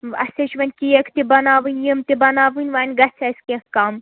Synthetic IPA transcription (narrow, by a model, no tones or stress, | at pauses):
ɐ̰seʃʋɐnʲkijekʰt̪ibɐnaːʋɨnʲjimt̪ibɐnaːʋɨnʲʋaːnʲɡɐt͡sʰɐskʲekkaːm